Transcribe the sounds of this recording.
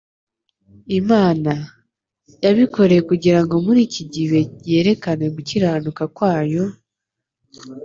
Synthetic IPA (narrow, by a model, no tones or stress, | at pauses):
imaːna | jaβiko̞ɾe̞jekuɟiɾaŋɡo̞muɾiːciɟiβe̞e̞ːɾe̞kane̞ɡuciɾaːnukakwaːjo̞